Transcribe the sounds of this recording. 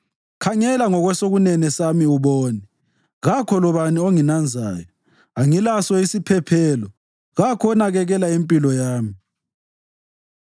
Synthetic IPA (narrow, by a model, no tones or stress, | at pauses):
kʰaɲɛlaŋɔɣwɛsoɣunɛnɛsamiuβɔːnɛ | ɣakʰɔlɔβanioŋinand͡zʱa̰ːjɔ | aŋilasɔisipʰɛpʰɛːlɔ | ɣakʰɔnaɣɛɣɛlaempʼilɔjaːmi